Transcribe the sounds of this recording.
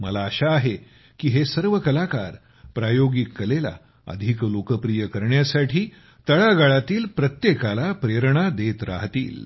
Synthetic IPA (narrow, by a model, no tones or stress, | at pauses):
mə̰laəɕaːɦe | kiɦesəɾʋəkəlakaɾ | pɾajoɡikːəlela̰ | ə̰d̪ʱiklokəpɾijəkəɾɳjasaʈʰiː | t̪əɭaɡaɭat̪iːlpɾət̪jekalapɾeɾɳ̃ad̪et̪ɾa̰ɦt̪ḭːl